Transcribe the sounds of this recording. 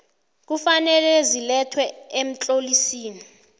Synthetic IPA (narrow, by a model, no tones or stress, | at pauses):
k̬ufanɛlɛzilɛtʰwɛem̩t͡ɬʼolisiːni